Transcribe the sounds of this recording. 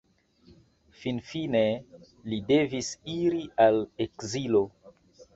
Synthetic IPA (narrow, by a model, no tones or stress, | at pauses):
finfine | lide̞visiɾialekzilo̞